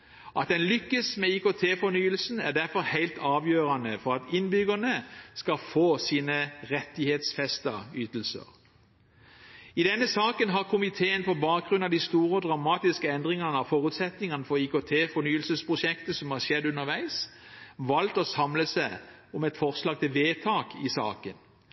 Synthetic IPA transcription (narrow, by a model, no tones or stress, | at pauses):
ʔɑ̰t̪̚d̪ɛnlʏkːəsmeːiːkoːt̪ʰeːfɔɾnyːəlsn̩æ̰ʁd̪æʁfɔɾhæɪlt̪ʰɑːʋjøːɾɑnəfɔʁɑt̪ɪnbʏɡəʁnəskɑfoːsiːnəʁɛt̪ɪheːt̪sfɛst̪ɑyːt̪lsə̰ʁ | ɪd̪ɛnːəsɑːkənɦɑʁkʰʊmɪt̪ʰeːənpɔbɑːk̚ɡʁʉnɑʋd̪ɪst̪uːʁəɔd̪ʁɑmɑːt̪ɪskəɛnd̪ʁɪŋɑnəɑfɔːʁʉt̪sɛt̪nɪŋənəfɔʁiːkoːt̪ʰeːfɔnyːəlsəspʰʁʊʃɛkt̪əsɔmhɑʃɛd̪ʉnəʁʋæɪsʋɑlt̪oːsɑmləsæɪɔmɛt̪fɔʁslɑːɡ̚t̪ɪlʋeːt̪ʰɑːkʰɪsɑ̰ːkən